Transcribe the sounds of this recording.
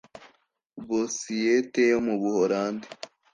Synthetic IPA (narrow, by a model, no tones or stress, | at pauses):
βosijetejomuβuhoɾaːnde